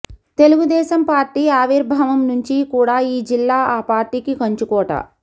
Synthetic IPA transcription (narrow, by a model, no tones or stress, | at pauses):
t̪e̞luɡud̪ɛːsɐmpaːɾʈiːaːʋiɾbʱaːʋɐmnuɲt͡ʃikuːɽaːiːd͡ʒilːaːaːpaːɾʈiːkikɐɲt͡ʃukɔːʈɐ̰